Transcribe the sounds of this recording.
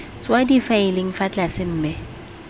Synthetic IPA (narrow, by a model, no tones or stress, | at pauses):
t͡swadifaɪlɪŋ̩fat͡ɬasɪm̩ːmɪ